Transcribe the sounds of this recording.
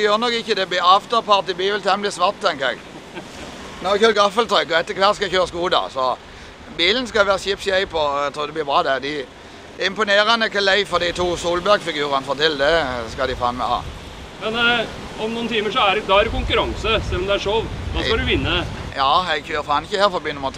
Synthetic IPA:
ɛjøːʁnɔkːɪçːəd̪ɛb̪ɪɑft̪əpʰɑʁt̪ɪbiːʋɛlt̪ʰɛmblɪsʋɑʁt̪t̪ːɛŋkəɛ̰ɡ | nɔçøːɾɡɑfəlt̪ʰɔʏkɔɛt̪ːəkʰʋæʁt̪skɑɛçøːʁəskuːd̪ɑ̰sɔ | biːlənskɑʋæːʁəçiːpsjæɪpʰɔɛt̪ʰɾuːd̪ɛblɪːbʁɑːd̪æd̪ɪ | d̪ɛɪmpʊneːɾɑnəkʰɑlæɪfɔʁd̪ɪt̪ʰuːsuːlbæʁɡfɪɡʉːʁɑnəfoːʁt̪ʰɪlːd̪ɛskɑd̪ɪfɑ̰ːnmɛ̰hɑ̰ | mɛn | ɔmnuːnt̪ʰiːməʂɔæɾd̪ɑæɾkʊŋkʉɾɑŋsəsɛlːɔmd̪ɛæʂoʋd̪ɑːskɑd̪ʉʋɪnːəjɑːɛɡçøːʁəfɑːnɪçəheːɾfɔbyːnʊmːəʁt̪ʰ

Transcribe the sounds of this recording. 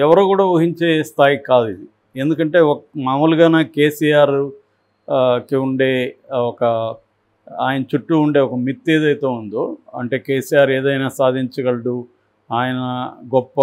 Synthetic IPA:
ɛʋɐɾukuːɽaːʋuɦiɲt͡ʃe̞ːst̪ʰaːjikaːd̪id̪i | e̞nd̪ukɐɳʈe̞ːmaːmuluɡaːnaːke̞ːsijaːɾ | kiuɳɖe̞ːɔkɐ | aːjɐnɐt͡ʃuʈːuːɳɖe̞ːɔkɐmit̪ːe̞ːd̪ɐjt̪e̞ːund̪oːɐ̰ɳʈe̞ːke̞ːsijaːɾe̞ːd̪ɐjnaːsaːd̪ʱiɲt͡ʃɐɡɐɽɐɽu | aːjɐnɐɡɔpːɐ

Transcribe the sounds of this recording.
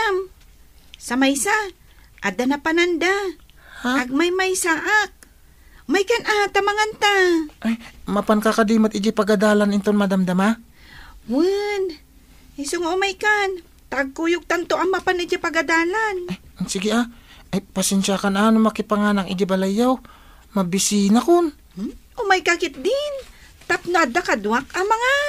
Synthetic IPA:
am | sɐmajsa | ʔad̪anapanand̪ahaaɡ̚majmajsaʔak̚ | ʔmajkanʔat̪amaŋant̪aʔajmapankakad̪iːmat̪ɪd͡ʒɪpaɡad̪aːlanɪnt̪onmad̪amd̪ama | wan | ɪsoŋaʔʊmajkan | t̪aʔɡ̚kujʊɡ̚t̪ɐnt̪oʔɐmapanɪd͡ʒɪpɐɡɐd̪aːlanajsɪɡɪʔaʔajpasɛnʃakananomɐkɪpaŋaːnakʔɪd͡ʒɪbɐlajːaw | mɐbɪsinakon | ʔomajkakɪt̪̚d̪ɪn | t̪apnoʔad̪akad̪wak̚ɐŋmɐŋa

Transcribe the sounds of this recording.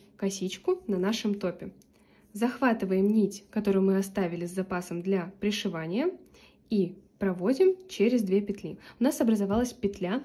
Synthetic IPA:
kɐsʲit͡ɕkʊnɐnaʂɨmt̪o̞pʲɪ | zɐxvat̪ɨvəjɪmnʲitʲkɐt̪o̞ɾɨjʊmɨɐst̪avʲɪlʲɪzʲzɐpasəmd̪lʲapɾʲɪʂɨvanʲɪjə | ipɾɐvo̞dʲɪmt͡ɕeɾʲɪzd̪vʲepʲɪt̪lʲiʊnasɐbɾəzɐvalˠəsʲpʲɪt̪lʲa

